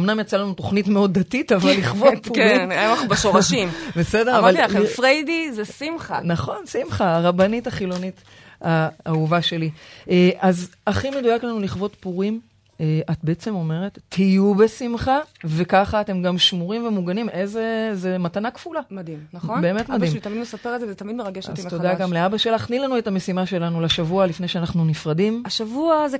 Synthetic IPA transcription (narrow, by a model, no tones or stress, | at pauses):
omnamjat͡salanuto̞χnitmeo̞d̪dːatitavalːiχvot̚puinmaχubeʃoʁaʃimbesedeʁavalfʁejdizesimχanaχo̞nsimχaːʁabanitaχilo̞nit | aauvaʃe̞lieazaχime̞dujaklanuliχvo̞tpuʁim | eʔat̚be̞et͡se̞mo̞me̞ʁe̞tːijube̞simχave̞kaχaːte̞mɡamʃmuʁimve̞muɡanimezezematanakfulamadimnabeːme̞tmadimt̪amid̪mesapeʁelzevzt̪amidmeʁaɡeʃttodaɡamleabaʃelaχnilanue̞tame̞simaʃe̞lanulaʃavualifne̞jʃeanaχnunifʁadimaʃavuaz